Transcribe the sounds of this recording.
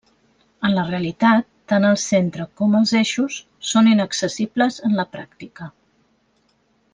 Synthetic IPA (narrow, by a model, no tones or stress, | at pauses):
ənləreəlit̪at̪ːanəlˠsent̪ɾəkɔməlˠzeʃusː | oninəksəsibləzənləpɾak̚t̪ikə